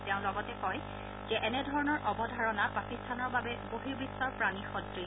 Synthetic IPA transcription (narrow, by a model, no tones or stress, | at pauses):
tɛʊ̃lɔɡɔtɛkɔj | zɛʔɛnɛdʱɔɹɔnɔɹʔɔbɔdʱaɹɔnapakistʰanɔɹbabɛboɦibɹisɔɹpɹanixɔdɹi